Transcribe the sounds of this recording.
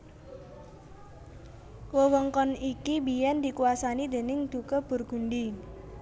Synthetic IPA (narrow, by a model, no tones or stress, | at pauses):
wəwɔŋkɔnikibijɛnd̪i̤kuwasanid̪e̤nɪŋd̪̥ṳkəb̥ʊ̤rɡ̥ṳɳɖi